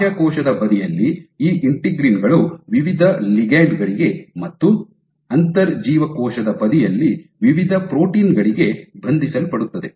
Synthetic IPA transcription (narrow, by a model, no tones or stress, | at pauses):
jɐkɔːʃɐd̪ɐbɐd̪ijɐlːiiːʔiɳʈiɡɾiːnɡɐɭuʋiʋid̪ʱɐliɡaːjɖɡɐɭiɡe̞mɐt̪ːu | ɐnt̪ɐɾd͡ʒiːʋɐkɔːʃɐd̪ɐbɐd̪ijɐlːiʋiʋid̪ʱɐpɾoːʈiːnɡɐɭiɡe̞bʱɐnd̪ʱisɐlpɐɽut̪ːɐd̪e̞